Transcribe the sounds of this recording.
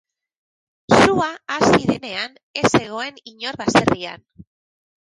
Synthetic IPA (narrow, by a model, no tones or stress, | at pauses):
suaasiðene̞an | e̞se̞ɣ̞o̞e̞niɲo̞ɾβase̞ria̰n